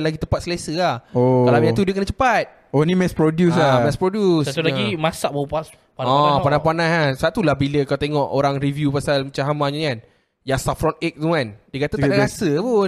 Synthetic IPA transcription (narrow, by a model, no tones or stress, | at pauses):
laɡit̪əmpat̪̚səlesəahoalamjãt̪udiəkənət͡ʃəpat̪̚ | onimɛspɾodjusamɛspɾodjusulaɡimasaʔbaupas | paɔ̃panahpanaɦasat̪ulahbiləkalat̪eŋɔʔoɾaŋɾivjupasalmət͡ʃaɦamaɲaikan | jasafɾɔnek̚t̪uandiəkat̪ətaasəpu